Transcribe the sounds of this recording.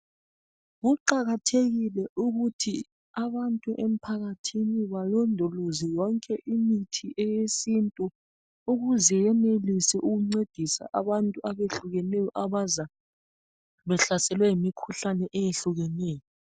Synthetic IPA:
ɣuǃaɣatʰeɣilɛʔuɣutʰi | aβantʼuʔem̩pʰaɣatʰiniβalɔndʱɔlozijɔŋkʼɛʔimitʰiʔɛjesintʼu | uɣuzɛjɛnelisɛʔuɣuŋ͡ǀed̥ʱisa̰ʔaβantʼuaβeɬuɣɛnɛjɔʔaβaza | βɛɬasɛlwɛjimikʰuɬanɛʔɛjeɬuɣɛnɛːjɔ

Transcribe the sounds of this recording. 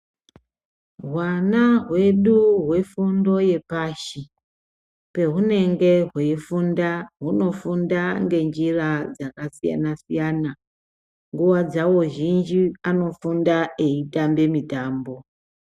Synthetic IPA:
ɦwanaɦwe̞ɗuɦwe̞fundo̞je̞paʃi | pe̞ɦune̞ŋɡe̞ɦweifundaɦuno̞fundaŋɡe̞nd͡ʒirad͡zakasija̰nasijana | ŋɡuwad͡zawo̞ʒind͡ʒiano̞fundae̞itambe̞mitaːmbo̞

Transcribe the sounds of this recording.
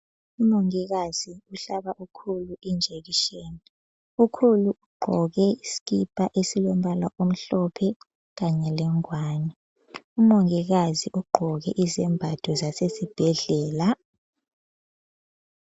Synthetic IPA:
umoŋik̬az̥iuɬaɓaʔukʰuluʔind͡ʒʱek̬iʃeːni | ukʰuluʔuɡ͡ǃʱɔɣ̬ɛisi̥k̬ipʼaʔesilɔm̩balaʔom̩ɬɔpʰɛ | ɣ̬aɲɛlɛŋwaːni | umoŋiɣ̬aziʔuɡ͡ǃʱɔk̬ɛ̰ʔizɛmbʱad̥ʱɔzasesib̥ʱɛɮɛːla

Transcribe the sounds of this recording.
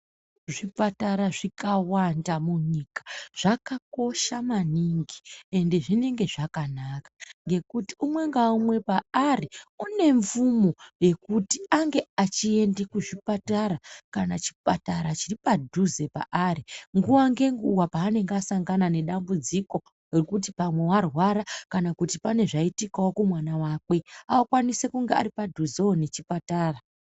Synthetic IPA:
ʐipataɾaʐikawandamuɲikḁʐ̥akako̞ʃamaniŋɡie̞nde̞ʐine̞ŋɡe̞ʐakanakḁŋɡe̞kutiumwe̞ŋɡaumwe̞paariune̞ɱvumo̞je̞kutiaŋɡe̞at͡ʃie̞ndekuʐipataɾakanat͡ʃi̥pataɾat͡ʃiripadʱuze̞pa̰ʔaɾiŋɡuwaŋɡe̞ŋɡuwapaːne̞ŋɡasaŋɡanane̞ɗambud͡ziko̞ | rurkutipamwe̞warwaɾakanakutipane̞ʐaitikawokumwanawaːkwe̞awakwanise̞kuŋɡe̞a̰ɾipadʱuzeone̞t͡ʃipataːra

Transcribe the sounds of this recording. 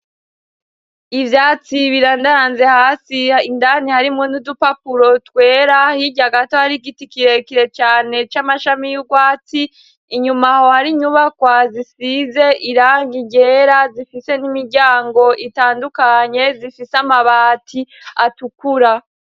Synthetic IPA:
ivjaːt͡siβiɾaːndaɾaːnze̞haːsiindanihaɾimŋonudupapuɾo̞tkwe̞ːɾahiɟaɡato̞haɾiɡitikiɾe̞kiɾe̞t͡ʃaːne̞t͡ʃamaʃamijuɡwaːtiː | ɲumaho̞haɾiɲuβakwazisize̞ʔiɾaːŋɡiɟe̞ɾazifise̞nimiɾɟaːŋɡo̞ʔitaːndukaɲe̞zifisamaβaːtʰiatukuɾa

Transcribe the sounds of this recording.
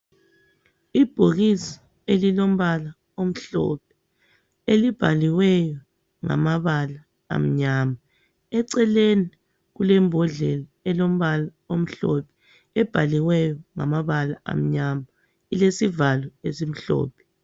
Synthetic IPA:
ib̥ʱoɣisḁ | elilom̩βala | om̩ɬɔ̰p̚ʰɛ̥ | elib̥ʱaliwɛjɔ | ŋa̰maβala̰ː | m̩ɲama | ɛǀɛleni | ɣulɛmbʱɔɮɛlaɛlom̩βala | om̩ɬɔpʰɛ̥ | ɛb̥ʱaliwɛjɔŋamaβalaa̰m̩ɲama | ilesivalɔesim̩ɬɔ̰ːpʰɛ̥

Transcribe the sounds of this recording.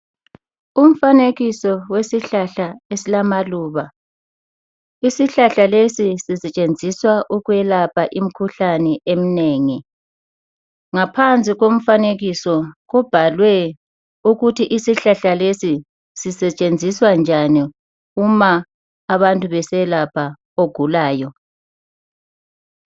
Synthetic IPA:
um̩faneɣisɔwesiɬaɬaesilamaluːβa | isiɬaɬalesisisɛt͡ʃʼend͡zʱiswaʔuɣwɛlapʰaʔim̩kʰuɬanɛʔem̩neːŋi | ŋapʰant͡sʼiɣom̩faneɣisɔɣub̥ʱalwɛ | uɣutʰiʔisiɬaɬalesi | sisɛt͡ʃʼend͡zʱiswand͡ʒʱani | umaː | βantʼuβɛsɛlapʰa | oɡ̥ʱulaːjɔ

